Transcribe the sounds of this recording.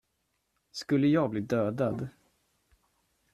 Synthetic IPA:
skɵlːəjɑːɡbliːd̪øːd̪ad̪

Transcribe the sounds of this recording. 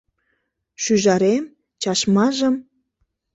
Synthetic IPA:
ʃyʒɑɾem | t͡ɕɑʃmɑʒə̆m

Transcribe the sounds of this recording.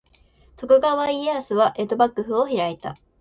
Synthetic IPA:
t̪o̞kɯ̟ɡaβaiasɨβaʔe̞t̪obakːɯ̟ɸɯ̟oçiɾait̪a̰

